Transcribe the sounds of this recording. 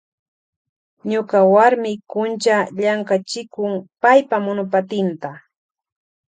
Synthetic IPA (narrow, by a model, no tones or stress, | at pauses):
ɲokawaɾmɪkʊnt͡ʃaʎaŋkat͡ʃɪkʊŋpajpamʊnʊpat̪ɪnt̪a